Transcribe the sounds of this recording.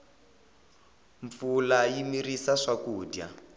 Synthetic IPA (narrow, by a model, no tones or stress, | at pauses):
ɱfulajimirisaʂakuːdja